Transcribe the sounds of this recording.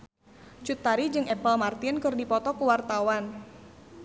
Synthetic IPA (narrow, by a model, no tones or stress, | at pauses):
t͡ʃut̪ːaɾid͡ʒɨŋɛpəlmart̪inkɨrdipɔt̪ɔkuwart̪awan